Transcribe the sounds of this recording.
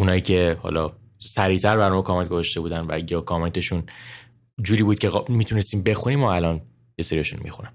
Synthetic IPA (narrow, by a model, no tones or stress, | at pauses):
unɒːjiːcʰe̞hɒ̰lɒː | sæɾiːt̪ʰæɾbæɾnɔmekʰɒːment̪̚ɡozɔʃt̪e̞buːd̪ænvæ̰jɒːkʰɒme̞nt̪ʰe̞ʃun | d͡ʒuːɾiːbuːd̪̚cʰeɣmiːt̪ʰunest̪iːmbe̞xuniːmɒælɒːn | jeseɾiɒʃṵːnmḭxṵnæm